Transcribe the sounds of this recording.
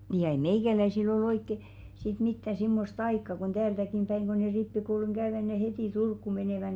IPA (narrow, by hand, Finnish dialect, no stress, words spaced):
niː jɑ ei meikælæisil ol oikːe sit mitːɑ simːost ɑikːɑ kon tæːltækim pæiŋ ɡ̊o ne ripːikouluŋ ɡ̊æøʋæ ne hetiˑ turkːu meneˑʋæ